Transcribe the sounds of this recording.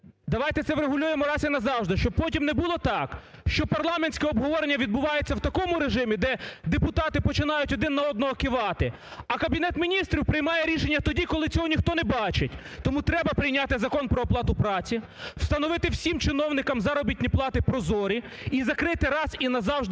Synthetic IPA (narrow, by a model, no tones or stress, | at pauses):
d̪ɐʋɑjt̪ɛt̪sɛwɾeɦʊlʲujemɔɾɑsinɐzɑwʒd̪ɪʃt͡ʃɔb̚pɔtʲimnɛbulˠɔt̪ɑk | ʃt͡ʃɔpɐrlˠɑmenʲsʲkɛɔbɦɔʋɔɾenʲːɐʋʲid̪̚bʊʋɑjet͡sʲːɐwt̪ɐkɔmʊɾeʒɪmʲid̪ɛd̪epʊt̪ɑt̪ɪpɔt͡ʃɪnɑjʊtʲɔd̪ɪnːɐɔd̪nɔɦɔkɪʋɑt̪ɪ | ɐkɐbʲinɛt̪mʲinʲist̪ɾʲiwpɾɪjmɑjɛɾʲiʃenʲːɐt̪ɔdʲikɔlˠɪt͡sʲɔɦɔnʲixt̪ɔnɛbɑt͡ʃetʲ | t̪ɔmut̪ɾɛbɐpɾɪjnʲat̪ɪzɐkɔnpɾɔːplˠɑt̪ʊpɾɑt͡sʲi | w̥st̪ɐnɔʋɪt̪ɪwsʲimt͡ʃɪnɔwnɪkɐmzɐɾɔbʲit̪̚ʲnʲiplˠɑt̪ɪpɾɔzɔɾʲi | izɐkɾɪt̪ɪɾɑsinɐzɑwʒd̪